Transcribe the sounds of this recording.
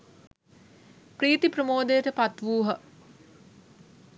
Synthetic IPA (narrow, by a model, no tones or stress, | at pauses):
pɾiːt̪ipɾəmoːd̪ejəʈəpat̪ʋuːɦə